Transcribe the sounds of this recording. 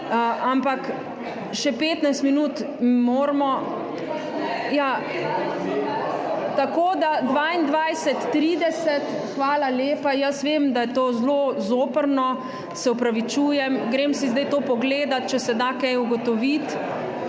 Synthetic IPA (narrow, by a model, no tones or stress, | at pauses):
əʔampak | ʃɛpeːt̪najst̪minuːt̪ | moːɾmɔ | ja | t̪akoːd̪ad̪ʋaːind̪ʋajsɛt̪ːɾiːd̪ɛsɛt̪ | xʋaːlaleːpajɐsʋemd̪ajɛt̪oːzlozoːpəɾnɔ | sɛupɾaʋit͡ʃuːjɛmɡɾeːmsizd̪ajt̪oːpɔɡleːd̪at̪̚t͡ʃɛsɛd̪akɛjuɡɔt̪ɔʋit̪